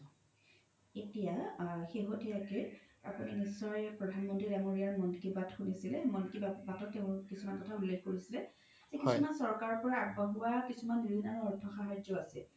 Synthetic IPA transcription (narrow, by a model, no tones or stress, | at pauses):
etijaxeɦotiakea̰puninisɔɹɛpɹɔdʱanmɔntɹidamoɹijaɹmɔnkibatxunisilɛmɔnkibabatɔtːeʊ̃kisumankɔtʰaulːexkoɹisilɛ | zekisumansɔɹkaɹɔpɔɹaːɡbɔɦʊwakisumanibʱinaɹuɔɹtʰɔxaɦajd͡ʒzɔasɛ